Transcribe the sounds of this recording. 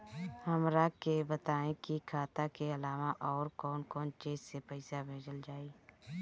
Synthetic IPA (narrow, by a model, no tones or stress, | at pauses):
həmɾakebət̪aːẽkikʰaːt̪akeəlaːʋaʔɔːɾkɔːnkɔːnt͡ʃeːzsepəɪsabʱeːd͡ʒəld͡ʒaːiː